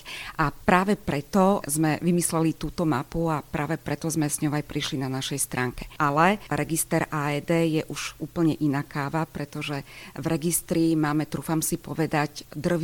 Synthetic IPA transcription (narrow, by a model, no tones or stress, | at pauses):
ʔapɾaːʋɛpɾɛt̪ɔzmɛʋimislɛlit̪uːt̪ɔmapuapɾa̰ːʋɛpɾɛt̪ɔzmɛzɲɔʊajpɾiʃlinanaʃɛjst̪ɾʔaːŋkɛ̥ʔalɛɾɛɡist̪ɛɾaːɛd̪ɛːjɛʔuʒ̥uːpl̩ɲɛʔinaːkʰaːʋapɾɛt̪ɔʒɛvɾɛɡist̪ɾimaːmɛt̪ɾuːfamsipɔʋɛd̪aɟd̪r̩ʋ